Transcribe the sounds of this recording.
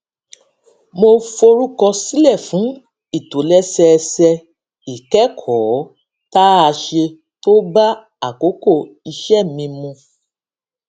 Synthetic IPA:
mo˧fo˧ɾu˦kɔ˧si˦lɛ˦˨fũ˨˦ | i˦˨to˨˦lɛ˦sɛ˧sɛ˧ | i˨kɛ˦kʰɔː˨˦ | ta˦a˧ʃe˧ | to˦ba˦ | a˦˨ko˨˦ko˦˨ | i˧ʃɛ˦˨mĩ˧mũ˧

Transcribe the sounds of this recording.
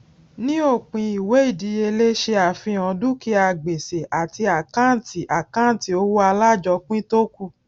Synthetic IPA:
nĩ˦o˦˨k͡pĩ˧i˨we˨˦i˦˨di˨˧˦je˧le˦ʃe˧a˨fĩ˧ã˧du˦ki˦a˧˨ɡ͡be˨se˨ʔa˨ti˧a˨kã˦˨ti˨ʔa˨kã˦˨ti˨o˧˦wo˦a˧la˦˨d͡ʒɔ˧k͡pĩ˦to˦ku˦˨

